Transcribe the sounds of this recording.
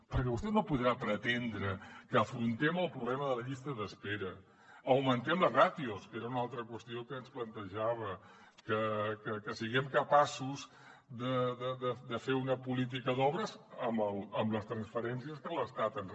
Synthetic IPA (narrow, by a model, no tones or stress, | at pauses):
pəɾkɛβust̪ɛnopuðɾapɾət̪end̪ɾəkəːfɾunt̪ɛməlˠpɾuβlɛməðələʎist̪əðəspeɾə | əwmənt̪ɛmlərat̪ioskeɾəunalˠt̪ɾəkwəst̪iokəːnsplənt̪əʒaβ̞ə | kəkəkəsiɣɛmkəpasuz | ðəðəðəd̪əfeunəpulit̪̬ikəðɔβɾəzəməlˠəmləst̪ɾənsfəɾɛnsiəskələst̪at̪ən